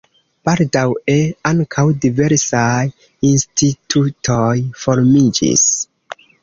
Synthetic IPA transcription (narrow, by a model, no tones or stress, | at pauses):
b̥aldaweaŋkʰawdive̞ɾsaj | instʰitʰutʰojfoɾmid͡ʒḭs